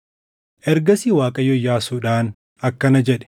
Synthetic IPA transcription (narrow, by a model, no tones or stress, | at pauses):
ʔɛɾɡɐsiwaːkʼɐjɔjːaːsuːᶑaːn | ɐkːɐnɐd͡ʒɛᶑɛ̥